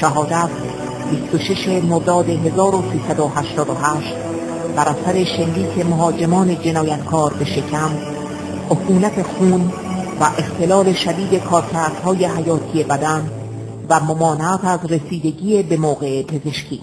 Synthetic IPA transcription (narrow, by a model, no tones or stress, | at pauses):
ʃæɦɒːd̪æt̪ʰ | bist̪oʃe̞ʃe̞moɾd̪ɒːd̪e̞ɦe̞zɒːɾosiːsæd̪ohæʃt̪ɒːd̪oɦæːʃt̪ | bæɾæsæɾe̞ʃe̞lːiːkʰe̞moɦɒːd͡ʒe̞mɒːne̞d͡ʒe̞nɒːjæt̪kʰɒːɾbe̞ʃe̞cʰæm | ʔokuːnæt̪ʰe̞xuːn | væʔe̞xt̪e̞lɒːle̞ʃæd̪iːd̪e̞kʰɒːɾcʰæɾd̪̥hɒːjeɦæjɒːt̪ʰije̞bæd̪æn | væmomɒːneæt̪æzre̞siːd̪e̞ɟiːebe̞moːɣeʔepʰe̞zeʃkʰiː